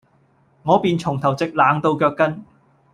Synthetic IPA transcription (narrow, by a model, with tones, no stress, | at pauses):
ŋɔː˨˧piː˨˧nt͡sʰʊ˨˩ŋt̪ʰɐ˨˩wt͡sɪ˨k̚laː˨˧˥ŋt̪o˧wkœː˧kːɐ˥n